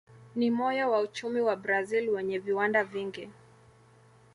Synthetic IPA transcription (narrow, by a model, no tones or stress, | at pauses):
nimɔjawaut͡ʃumiwabɾazilwɛɲɛviwandaviŋɡi